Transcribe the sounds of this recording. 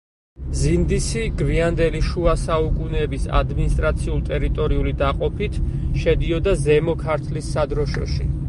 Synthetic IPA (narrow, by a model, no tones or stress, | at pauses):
zind̪isiɡviand̪ɛliʃuasaukʼunɛːbisa̰d̪minist̪ʼɾat̪sʰiulˠt̪ʼɛɾit̪ʼɔɾiulid̪aqʼɔpʰit̪ʰʃɛd̪iɔd̪azɛmɔkʰaɾt̪ʰlisːad̪ɾɔʃɔ̰ʃi